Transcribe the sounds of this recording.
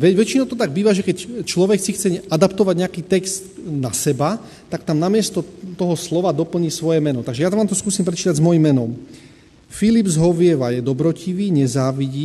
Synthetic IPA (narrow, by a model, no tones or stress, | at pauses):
ʋɛɟʋɛt͡ʃinɔʊt̪ɔt̪aɡ̚biːʋaʒɛkɛct͡ʃlɔʋɛksixt͡sɛad̪apt̪ɔʋaɟɲɛakiːt̪ɛkst̪nasɛba | t̪akt̪amnamɪɛst̪ɔt̪ɔɦɔslɔʋad̪ɔpl̩ɲiːsʋɔjɛmɛnɔt̪aɡʒɛjaʋaːmt̪ɔskuːsiːmpɾɛtt͡ʃiːt̪aɟzmɔjimːɛnɔm | filibzɦɔʋɪɛʋajɛd̪ɔbɾɔciʋiːɲɛzaːʋiɟiː